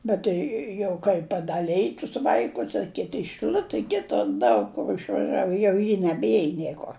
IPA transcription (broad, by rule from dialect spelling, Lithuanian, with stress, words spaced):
ˈbʲɛt jɛʊ kɐɪ pɐdɐˈlʲɛj tʊs ˈʋɐɪkʊs ɐ ˈkʲɪtʲɪ ɪ ʃɨˈlʲʊtʲɛ ˈkʲɪtʊr ˈdɐʊk kʊr ɪʃʋɐˈʒʲæːʋʊ jɛʊ ˈjɪ nʲɛbʲˈiɛj ˈnʲiɛkoːr